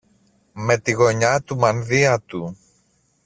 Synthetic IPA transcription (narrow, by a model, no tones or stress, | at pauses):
me̞t̪iɣo̞ɲɐt̪umɐnðiɐt̪u